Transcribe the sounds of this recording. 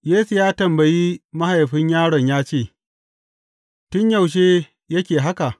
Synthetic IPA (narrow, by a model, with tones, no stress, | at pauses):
jeː˦su˨jaː˦tɐ˨mbɐ˨jiː˦mɐ˦ha˨jɸɪ˦ɲjaː˦ɽɔ˨ɲjaː˦t͡ʃeː˦˨ | tʊ˦ɲjɐ˨wʃ̬eː˦ | jɐ˦kʲeː˨ɦa˦ka˨ʔ